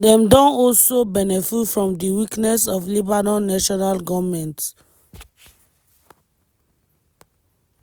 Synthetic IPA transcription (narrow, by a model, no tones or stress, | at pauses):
dɛ̃mdɔ̃nɔlsobɛnɛfufɹɔ̃mdiwiknɛsɔflibanɔ̃nːaʃɔnalɡɔvmɛ̃nt